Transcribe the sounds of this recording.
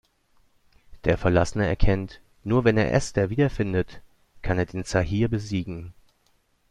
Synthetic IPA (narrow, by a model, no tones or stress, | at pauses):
d̥eːɐfɛɐlasənəɛ̰ɐkʰɛnt | nuːɐvɛneːɐʔɛ̰stɐviːdɐfɪndət | kʰaneːɐdeːnt͡saɦiːɐbəziːɡŋ̩